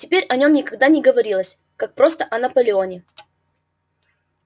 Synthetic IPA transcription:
tʲɪpʲeɾʲɐnʲo̞mnʲɪkɐɡ̚d̪anʲɪɡəvɐɾʲilˠəsʲ | kak̚pɾo̞st̪əʔɐnəpəlʲɪo̞nʲɪ

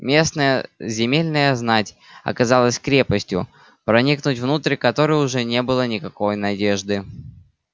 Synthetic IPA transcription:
mʲe̞snəjəzʲɪmʲelʲnəjəznatʲ | ɐ̰kɐzalˠəsʲkɾʲe̞pəsʲtʲjʊ̰ | pɾɐnʲiknʊtʲvnut̪ɾʲkɐt̪o̞ɾɨjʊʐɛnʲe̞bɨlˠənʲɪkɐko̞jnɐdʲe̞ʐd̪ɨ

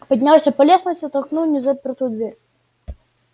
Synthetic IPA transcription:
pɐdʲnʲalˠasʲɐpɐlʲesnəsʲtʲɪt̪ɐlˠknulˠnʲɪzɐpʲɪrt̪ujʊd̪vʲeɾʲ

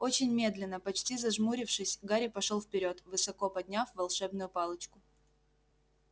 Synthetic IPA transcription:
o̞t͡ɕɪnʲmʲe̞d̪lʲɪnːəpɐt͡ɕtʲizɐʐmuɾʲɪfʂɨsʲɡaɾʲɪpɐʂolˠfpʲɪɾʲo̞t̪vɨsɐko̞pɐdʲnʲafvɐlˠʂɛbnʊjʊpɑlˠət͡ɕkʊ

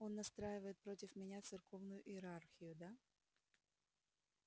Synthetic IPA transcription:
o̞nːɐst̪ɾajɪvəjɪt̪̚pɾotʲɪfmʲɪnʲat̪sɨrko̞vnʊjʊʔɪɪɾarxʲɪjʊd̪a

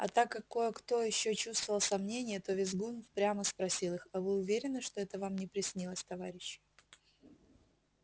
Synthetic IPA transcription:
ɐ̰t̪akːɐkːo̞jəkt̪o̞jɪɕːot͡ɕust̪vəvəlˠsɐmnʲenʲɪjət̪o̞vʲɪzɡunfpɾʲaməspɾɐsʲilˠɨxɐvɨʊvʲeɾʲɪnːɨʂt̪o̞ɛt̪əvamnʲɪpɾʲɪsʲnʲilˠəsʲt̪ɐvaɾʲɪɕːɪ̥

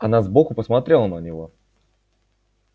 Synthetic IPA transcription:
ɐnazbokʊpəsmat̪ɾʲe̞lˠənənʲɪvo̞

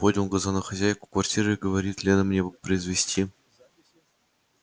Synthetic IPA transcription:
podʲunɡəzɑnoxɐzʲæjkʊ̥kvɐrtʲiɾɨɡəvɐɾʲit̪lʲenəmnʲebɨpɾəizvʲesʲtʲi

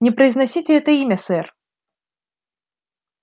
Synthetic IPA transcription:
nʲɪpɾəɪznɐsʲitʲɪɛt̪əimʲɐsɛr

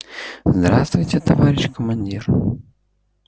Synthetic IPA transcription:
zd̪ɾast̪vʊjt͡sʲɛt̪ɐvaɾʲɪʃkɐmanʲdʲir

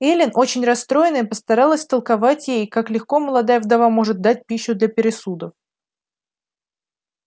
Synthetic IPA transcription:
elʲɪnʔo̞t͡ɕɪnʲrɐst̪ɾo̞jɪnɨɪpəst̪ɐɾɑlˠəsʲt̪əlˠkɐvatʲjejkaklʲɪxko̞məlˠɐd̪ajəvd̪ɐvamo̞ʐɨt̪̚d̪at̚ʲpʲiɕːʊd̪lʲəpʲɪɾʲɪsud̪əf

